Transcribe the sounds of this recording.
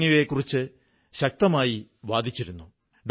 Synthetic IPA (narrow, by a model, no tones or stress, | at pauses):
jiʋekːurit͡ɕːɨ | ɕɐk̚t̪ɐmaːjiʋaːd̪ʱit͡ɕːiɾunːu | ɖ